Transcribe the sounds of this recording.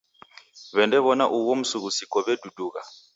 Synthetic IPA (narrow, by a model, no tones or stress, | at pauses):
βɛndɛβɔnaʔuwom̩suɣusikʼɔβeduduːɣa